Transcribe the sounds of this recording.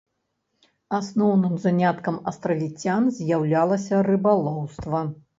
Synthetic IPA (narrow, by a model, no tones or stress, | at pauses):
asnɔwnɨmzanʲat̪kɐmɐst̪ɾɐvʲit͡sʲanzʲjawlʲalˠɐsʲɐrɨbalˠɔwst̪vɐ